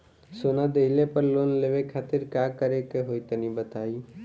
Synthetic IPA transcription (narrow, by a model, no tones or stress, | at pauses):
sonad̪eɪlepəɾloːnleʋekʰaːt̪ɪɾkakəɾekeɦojt̪ənĩbət̪ai